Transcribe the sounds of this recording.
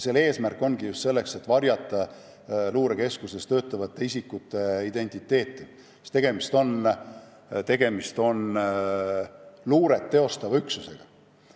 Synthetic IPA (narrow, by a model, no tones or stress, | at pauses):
se̞le̞ːsmærkːˑo̞nɡ̥ijust̪se̞lːe̞kse̞t̪ːˑvɑɾjɑt̪ˑːɑ | luːɾeke̞skuse̞st̪ø̞ːt̪ːˑɑvɑt̪ːeisikːut̪ːˑe̞id̪̥e̞nʲt̪ˑit̪ːˑe̞ːt̪ːˑi | st̪e̞ɡ̥e̞mist̪o̞n | t̪e̞ɡ̥e̞mist̪o̞n | luːɾe̞t̪ːe̞o̞st̪ɑvɑyksuse̞ɡ̥ɑ